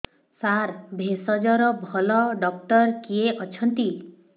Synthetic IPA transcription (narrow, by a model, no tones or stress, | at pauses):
saɾbʱesɔd͡ʒɔɾɔbʱɔlɔɖɔk̚ʈɔɾkieʔɔt͡ʃʰɔnt̪i